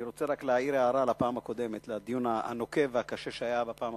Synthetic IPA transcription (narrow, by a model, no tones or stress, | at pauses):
iʁo̞t͡seʁakleaiɾeaʁalapaːmhako̞d̪e̞met̪lad̪ijunaa̰no̞ke̞vakaʃeʃeajabapaːm